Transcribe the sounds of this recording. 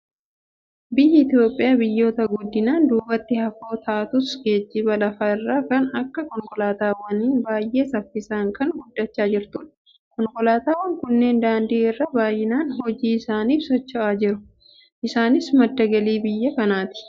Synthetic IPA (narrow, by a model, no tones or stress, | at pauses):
bɪjːɪɪt̪ɪjo̞ːpʼːɪjaːbɪjːo̞ːt̪ɐɡʊd̪ːɪnaːnd̪uːbɐt̪ːɪhɐfo̞ːt̪ʰaːt̪ʊsɡe̞ːd͡ʒːɪbɐlɐfɐɪrːaːkɐnɐkːɐkɔŋkɔlaːt̪aːwɐniːbaːjʔe̞ːsɐfːɪsaːŋkʰɐŋɡʊd̪ːɐt͡ʃːaːd͡ʒɪɾt̪ʊᶑ | kɔŋkɔlaːt̪aːwːɐŋkʊnːe̞ːnd̪aːnd̪iːɪrːɐbaːjɪnaːnɦɔd͡ʒiːɪsaːniːfsɔt͡ʃːɔʔaːd͡ʒɪɾʊ | ʔɪsaːnɪsmɐd̪ːɐɡɐliːbɪjːɐkɐnaːt̪ɪ̥